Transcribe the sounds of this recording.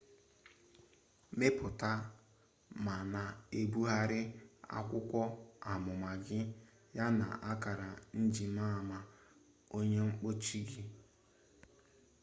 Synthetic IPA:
me˦pʊ˨ta˦ | ma˨na˨e˦bu˦ɦa˦ɾɪ˦a̰˦kʷʊ˦kʷɔ˦a˨mʊ˨ma˨ɡɪ˦ | ja˦na̰˨ʔa˦ka˨ɾa˨n̩˦d͡ʒi˨ma˦˨ma˨ | o˦ɲe˦ŋ͡m̩˦k͡po˦t͡ʃi˦ɡi˦

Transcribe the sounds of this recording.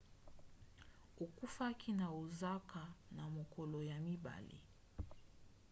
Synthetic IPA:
o˨ku˦fa˦kʰi˦na˨o˨za˦ka˨na˨mo˨kɔ˨lɔ˨ja˨mi˦ba̰˨lḭ˨

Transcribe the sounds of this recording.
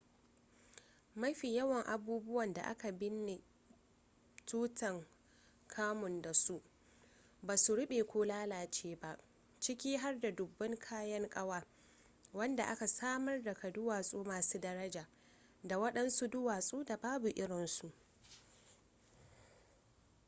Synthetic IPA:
mɐ˦ɸi˨jɐ˦wɐ˨ŋʔa˨buː˦bʊ˦wɐ˨nda̰˨ʔa̰˦ka˨bɪ˦nːɪ˨ | tuː˦tʰɐ˨ŋ | kʰaː˦mʊ˨nda˨su˦ʔ | baː˨su˨ɽʊ˦ɓeː˨kʷoː˦laː˦laː˨t͡ʃeː˦ba˦ʔ | t͡ʃɪ˦kʲiː˦ɦa˦rda˨dʊ˨bːɐ˦ŋkʰaː˦jɐ˦ŋkʼɐ˦waː˨ | wɐ˦nda˨ʔa˦ka˨saː˦mɐ˦rda˨kɐ˨dʊ˦waː˨sʼuː˦maː˨suː˦dɐ˦ɾɐ˦d͡ʒaː˨ | da˨wɐ˦ɗɐ˦nsu˦dʊ˦waː˨sʼuː˦da˨baː˦bu˨ʔɪ˦ɽɪ˨nsu˨ʔ

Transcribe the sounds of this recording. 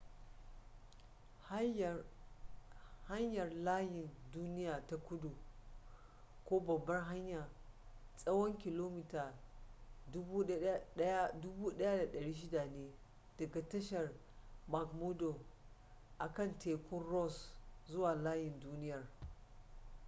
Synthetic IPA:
ha˦ɲjɐ˨rlaː˦jɪ˨nduː˦nɪ˦jaː˨ta˦kʷʊ˦du˨ | kʷoː˦bɐ˨bːɐ˦ŋɦa˦ɲja˨sʼɐ˦wɔ˦ŋkʲɪ˨loː˦mɪ˦taː˨˦ | bu˦ɐ˦ja˦dʊ˦buː˦ɗɐ˦ja˦da˨ɗɐ˨ɽiː˦ʃ̬ɪ˦da˨neː˦ | d̥ɐ˨ɡa˨tɐ˦ʃɐ˨r | ma˨kmu˦do˨ | ʔa˨kɐ˦˨ntʰeː˨kʷʊ˦nrɔ˦˨szʊ˦waː˨laː˦jɪ˨nduː˦nɪ˦jɐ˨r

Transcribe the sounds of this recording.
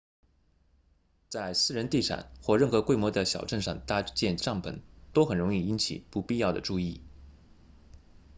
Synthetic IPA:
t͡sa˥˧ɪsɹ̩˥˩ɻə˧˥nt̪i˥˩ʈ͡ʂʰa̰˨˩˦nxwɔ˥˧ɻə˥˩nxɤ˧˥kwe˥ɪmwɔ˧˥d̪ə˧ɕjɑ˨˩ʊʈ͡ʂə˥˧ŋʂɑ˥˧ŋt̪a˥t͡ɕjɛ˥˧nʈ͡ʂɑ˥˩ŋpʰə˧˥nt̪o˥ʊxə˨˩nɻʊ˧˥ŋi˥˩i˧˥nt͡ɕʰḭ˨˩˦pu˥˧pi˥˧jɑ˥˩ʊd̪ə̰˩ʈ͡ʂu˥˧i˥˩

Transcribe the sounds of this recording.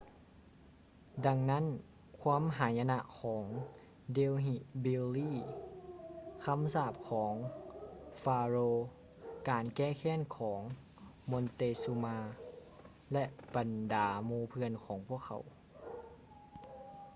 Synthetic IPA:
da˧ŋna˦˥˨n | kʰwaː˧˥˨mɦaː˩˦jʔa˧na˧ʔkʰɔː˩˦ŋ | de˧wɦi˧˩bi˧liː˥˨ | kʰa˧˥˨msaː˧˥˩p̚kʰɔː˩˦ŋ | faː˧ɾoː˧ | kaː˨nkɛː˧˥˩kʰɛː˧˥˨nkʰɔː˩˦ŋ | mo˧nt̪eː˧su˧maː˧ | lɛ˧ʔb̥a˨ndaː˨˩˦muː˧pʰɯ˧ənkʰɔː˩˦ŋpʰu˧˥˩əkʰːa̰˨˦w

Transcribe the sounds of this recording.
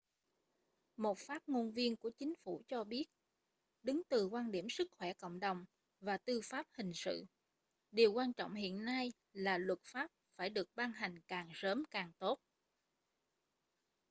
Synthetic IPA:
mo˨˩t̚faː˦˥p̚ŋo˧nvi˧ənku˧˩ət͡ɕï˨˦ŋ̟fu˧˩t͡ɕɔ˧ɓi˦˥ət̚ | ɗɨ˨˦ŋt̪ɨ˨˩kwaː˧nɗi˧˩əmsɨ˦˥k̚xwɛ˧˩ko̰˧˨wŋ͡mɗə˨˩wŋ͡m | vaː˨˩t̪ɨ˧faː˦˥p̚hï˨˩ŋ̟sɨ̰˧˨ | ɗi˨˩əwkwaː˧nt͡ɕɔ̰˧˨wŋ͡mhḭ˧˨ənːa˧j | laː˨˩lwə˨˩t̚faː˦˥p̚faː˧˩jɗɨ˨˩ək̚ɓaː˧ŋɦa˨˩jŋ̟kaː˨˩ŋsəː˨˦mkaː˨˩ŋt̪o˦˥t̚

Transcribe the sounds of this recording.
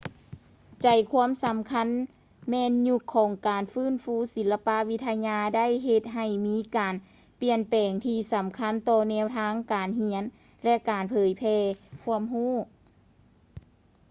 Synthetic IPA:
t͡ɕa˨˩jkʰu˧˥əmsa˨˦mkʰa˧˥n | mɛː˧˥nɲu˧˩kʰːɔː˨˦ŋkaː˨˩nfɯː˧˥˨nfuː˧˥˨si˨˦lːa˧pa˧˥ʋi˧˥t̪ʰːa˧ɲaː˧da˥˨jɦe˧t̪̚ɦa˨˩jmiː˧˦˥kaː˨˩n | pi˧ənpɛː˨˩ŋt̪ʰiː˧sa˨˩˦mkʰa˧˥˨nt̪ɔː˧nɛː˧˥˨wt̪ʰaː˧˥ŋkaː˨˩nhi˧˥ən | lɛ˧ʔkaː˨˩npʰɤː˨˦jpʰɛː˧kʰu˧əmɦuː˥˩˨

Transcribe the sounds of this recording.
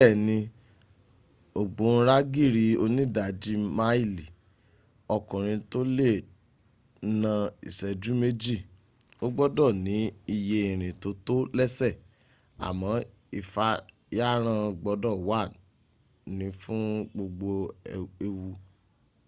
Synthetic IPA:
ɛ˦˨nĩ˧ | o˨ɡ͡bõ˨˦ɾa˦ɡi˦˨ɾi˧˦o˧nĩ˦da˨d͡ʒi˦ma˦i˦˨li˨ | ɔ˧˨kũ˨ɾ̃ĩ˧to˦le˦˨˦ | nã˧ḭ˨sɛ˨d͡ʒu˨˦me˦d͡ʒi˦˨ | o˦ɡ͡bɔ˦dɔ˦˨nĩ˨˦i˧je˧i˨ɾ̃ĩ˨to˧˦to˦lɛ˦sɛ˦˨ | a̰˨mɔ̃˨˦ | i˨fa˧ | ja˦ɾ̃ã˧ɡ͡bɔ˧˦dɔ˦˨wa˦˨ | nĩ˨˦fũ˦ɡ͡bo˧ɡ͡bo˧e˧wu˧

